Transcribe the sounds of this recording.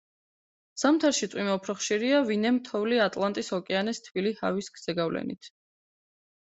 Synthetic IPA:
samt̪ʰaɾʃit̪sʼwimaupʰɾɔχʃiɾiavinɛmt̪ʰɔvliat̪ʼlˠant̪ʼishɔkʼɛanɛst̪ʰviliha̰viskʰz̥ɛɡavlɛ̰nit̪ʰ

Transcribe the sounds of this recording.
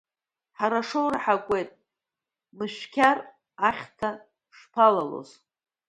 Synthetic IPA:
ħaɾaʂowraħakʷʼe̞jtʼ | mɨʃʷᶣkʲʰar | aχʲtʰa | ʂpʰalalo̰z

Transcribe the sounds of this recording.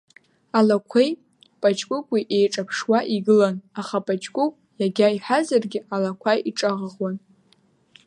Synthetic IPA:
alakʷʰej | pʼat͡ʃʼkʷʼʊkʷʼiʔejʈ͡ʂʼapʰʂwaʔiɡɨlanaχapʼat͡ʃʼkʷʼʊkʷʼ | jaɡʲaiħazarɡʲɪʔalakʷʰajiʈ͡ʂʼaʁəʁwan

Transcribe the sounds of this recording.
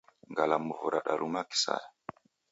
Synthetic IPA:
ŋɡalamuvuɾaɗaɾʔumaki̥sa̰ja

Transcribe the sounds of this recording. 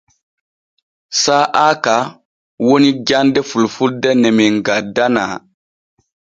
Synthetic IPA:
saʔaka | wonid͡ʒandɛfulfuldɛnɛmiŋɡadana̰

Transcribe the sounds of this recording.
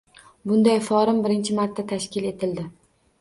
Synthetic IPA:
bʊnd̪ajfɒɾɪmbɪɾɪnt͡ʃʰɪmaɾt̪ːat̪ʰaʃkʲɪle̞t̪ʰɪld̪ɪ

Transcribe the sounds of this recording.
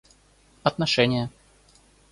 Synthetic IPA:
ɐt̪nɐʂɛnʲɪjə

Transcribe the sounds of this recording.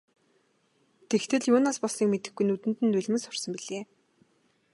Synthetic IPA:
t̪ʰext̪ʰɘ̆ɮjʊːnaːspɔsniːkmet̪ɘ̆xɡujnut̪ɘ̆nt̪ɘ̆nt̪ːuɮ̆ʲmɘ̆ŋsʊ̥rsə̆mpiɮeː

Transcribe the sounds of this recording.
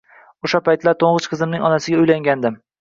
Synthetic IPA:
oʃapajt̪laɾt̪ʰoɴʁɨt͡ʃqʰɨzɪmnɪŋɒnasɪɡʲaʊjlaŋɡʲand̪ɪm

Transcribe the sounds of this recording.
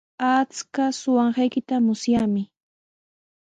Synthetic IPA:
at͡skasʊwɑɴɢɑjkɪt̪amʊsjamɪ

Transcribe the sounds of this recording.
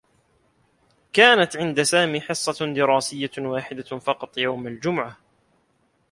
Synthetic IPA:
kaːnat̪ʕɪnd̪asaːmiːħɨsˤːɑd̪ɪɾaːsɪjːawaːħɪd̪afɑqɑt̪ˤjawmald͡ʒʊmʊʕa

